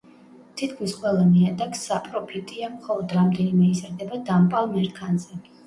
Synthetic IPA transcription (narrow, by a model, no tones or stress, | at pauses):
t̪ʰit̪kʰmisqʼwɛlˠamiad̪aksːapʼɾɔpʰit̪ʼiamχɔlˠɔd̪ɾamd̪ɛnimɛizɾd̪ɛbad̪ampʼalˠmɛɾkʰanzɛ